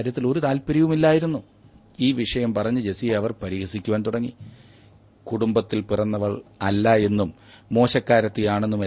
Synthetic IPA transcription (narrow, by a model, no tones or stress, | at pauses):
ɾjɐt̪ːilo̞ɾut̪aːlpɐɾɐjʋumilːaːjiɾunːu | iːʋiʂɐjɐmpɐrɐɲːud͡ʑe̞sijɐʋɐrpɐɾiːɣɐsikʲːuʋaːnt̪uɽɐŋːi | kuɽumbɐt̪ːilpirɐnːɐʋɐɭɐlːɐe̞nːumːo̞ːɕɐkːaːɾɐt̪ːijaːɳe̞nːume